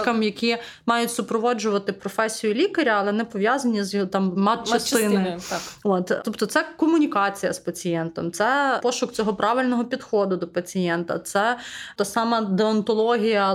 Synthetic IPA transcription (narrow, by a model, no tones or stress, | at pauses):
kɐmjɐkʲi | mɑjʊtʲsʊpɾɔʋɔd͡ʒʊʋɐt̪ɪpɾɔfɛsʲijʊlʲikɐɾʲɐɐlˠɛnɛpɔʋʲjazɐnʲizjt̪ɑmmɑɐst̪ɪnɪɔt̪t̪ɔpt̪ɔt̪sɛkɔmʊnʲikɑt͡sʲijɐ̰spɐt͡sʲijɛnt̪ɔmt̪sɛpɔʃʊkt͡sʲɔɦɔpɾɑʋɪlʲnɔɦɔpʲid̪xɔd̪ʊd̪ɔpɐt͡sʲijɛnt̪ɐ̰t̪sɛt̪ɑsɑmɐd̪eɔnt̪ɔlˠɔɦʲijɐ